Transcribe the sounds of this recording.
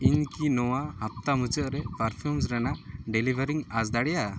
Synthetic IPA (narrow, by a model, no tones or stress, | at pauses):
iɲkinɔwahap̚t̪amud͡ʒəʔɾɛpaɾpʰjumsɾanaɖɛlibʱəɾiŋasd̪aɽɛja